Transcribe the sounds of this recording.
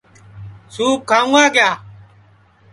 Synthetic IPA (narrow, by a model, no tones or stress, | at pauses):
suːp̚kʰːaːũaːkɪjaː